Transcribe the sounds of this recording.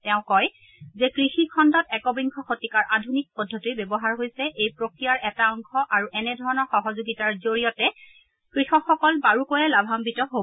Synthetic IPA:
tɛʊ̃kɔj | zɛkɹixikʰɔndɔtɛkɔbiŋkʰɔxotːikaɹʔadʱunik̚pɔdʱːɔtijbebɔɦaɹɦojsɛʔejpɹokɹijaɹʔɛtaɔŋkʰɔʔaɹuʔɛnɛdʱɔɹɔnɔɹxɔɦɔzoɡitaɹzoɹijɔtɛ | kɹixɔxɔkɔlbaɹukojɛlabʱambitɔɦo

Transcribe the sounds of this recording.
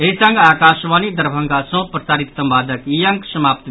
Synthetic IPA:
eɦisəŋɡakasʋanid̪əɾbʱə̃ŋɡasə̃pɾəsaːɾit̪sə̃mpad̪ʱəkijəŋksəmap̚t̪

